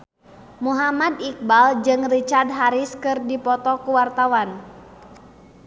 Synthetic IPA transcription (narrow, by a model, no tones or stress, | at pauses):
muɦamadik̚bald͡ʒɨŋrit͡ʃard̚ɦaɾiskɨrdipɔt̪ɔkuwart̪awan